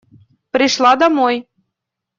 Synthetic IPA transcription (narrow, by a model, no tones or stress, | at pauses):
pɾiʃlˠɑd̪ɑmoj